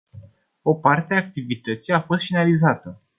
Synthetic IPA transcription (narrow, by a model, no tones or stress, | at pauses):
o̞part̪eaːk̚t̪ivit̪ət̪sijafo̞st̪finalizat̪ə